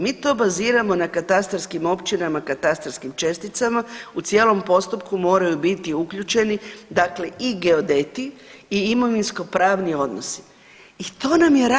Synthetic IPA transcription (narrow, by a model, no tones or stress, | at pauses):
miːt̪o̞ːbaziːɾamo̞nakat̪ast̪ɾskimo̞pt͡ʃinamakat̪ast̪ɾskimt͡ʃe̞st̪it̪samaut̪sje̞ːlo̞mpo̞st̪up̚kumo̞ːɾajubit̪iukʎut͡ʃe̞nid̪akle̞ʔiɡe̞od̪et̪iiimo̞ʋinsko̞pɾaːʋnio̞d̪no̞si̥ | it̪o̞ːnamjeɾa